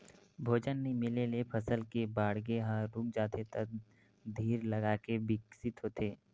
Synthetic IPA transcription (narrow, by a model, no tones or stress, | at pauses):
bʱoːd͡ʒənːemɪlelepʰɐsəlkebaːɽɡeɦaɾuk̚d͡ʒaːt̪et̪ək̚ | d̪ʱiːɾlɐɡaːkebɪksɪt̪ɦoːt̪eː